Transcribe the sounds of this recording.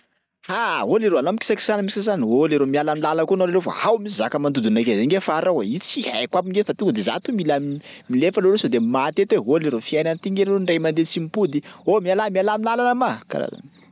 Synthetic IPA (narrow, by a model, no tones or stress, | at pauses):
haɦoleɾoanoamiki̥saki̥sanəmisazanioleɾomialamilaləkuanolelofa̰ɦawmisizakəmand̪ud̪unakezeŋɡefaɾaweit͡sia̰jkwabiŋɡefat̪uŋɡəd̪eza̰t̪umilam | milefalolosod̪emat̪et̪weɦoleɾofiajnant̪iŋɡeleoɳɖ͡ʐajmand̪et͡simipud̪iomialamialamilalanamaka̰ɾa̰za̰n